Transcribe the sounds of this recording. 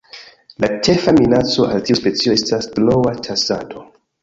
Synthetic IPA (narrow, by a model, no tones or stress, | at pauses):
lat͡ʃe̞faminat͡so̞ʔaltiuspe̞t͡sio̞estasblo̞watʰasado̞